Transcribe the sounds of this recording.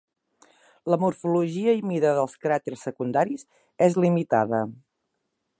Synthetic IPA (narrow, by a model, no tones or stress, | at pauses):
ləmurfuluʒiəimiðəðəlˠskɾat̪ersːəkund̪aɾiz | ezlimit̪a̰ðə